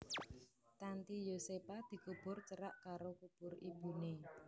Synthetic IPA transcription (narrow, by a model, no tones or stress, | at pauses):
t̪ant̪ijosepad̪̥i̤kub̥ʊrt͡ʃəɾaʔkaɾokub̥ʊrib̥ṳne